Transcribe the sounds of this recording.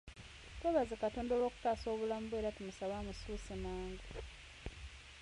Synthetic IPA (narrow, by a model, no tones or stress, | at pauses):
tweβazekatoːndolwo̞ːku̥kaːso̞ːβulamuβueɾatimusaβaːmususimaːŋɡa